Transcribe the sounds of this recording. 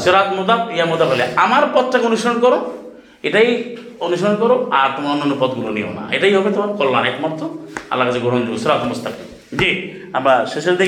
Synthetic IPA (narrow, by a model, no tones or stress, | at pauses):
suɾat̪mud̪ap̚iamud̪abɔleamaɾpɔt̪ʰʈakonusɔɾɔnkɔɾo | eʈai | onusɔɽɔnkɔɾoaɾt̪ɔmanonupɔd̪ɡulonḭɦo̰na̰ḛʈajɦɔbet̪ɔmakɔlːanajt̪mat̪ːɔa̰lːakad͡ʒeɡoɽ̤ɔnd͡ʒuusuɾat̪mɔst̪ʰapi | d͡ʒi | amaseseld̪e